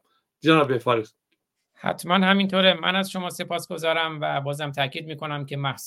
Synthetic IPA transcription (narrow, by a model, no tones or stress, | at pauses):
ænabefaɾix | hæ̰t̪ʰmænhæmint̪ʰoːɾemæ̰næzʃo̞mɒːse̞pʰɒːsɡ̥o̞zɒːɾæmvæbɒːzæmt̪ʰæcʰiːd̪̚miːkʰo̞næmcʰe̞mæhs